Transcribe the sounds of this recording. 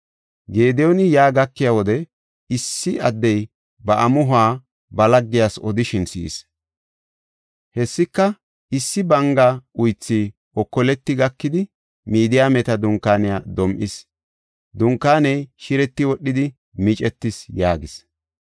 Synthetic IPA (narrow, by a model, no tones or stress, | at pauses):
ɡe̞ːd̪ɛjɔnɪjaːɡɐkːɪjawɔd̪ɛ | ɪsːɪɐd̪ːɛj | bɐʔɐmʊɦʊaː | bɐlɐɡːɪjasɔd̪ɪʃɪnsḭːs | hɛsːɪkːɐ | ɪsːɪbɐŋɡɐʊjt͡sːi | ɔkːɔlɛt̪ːɪɡɐkːɪd̪ɪ | miːd̪ɪjaːmɛt̪ɐd̪ʊŋkːaːnɪjad̪ɔmʔɪs | d̪ʊŋkːaːnɛjʃɪɾɛt̪ːɪwɔɗːɪd̪ɪ | mɪt͡ʃʼɛt̪ːɪsjaːɡɪs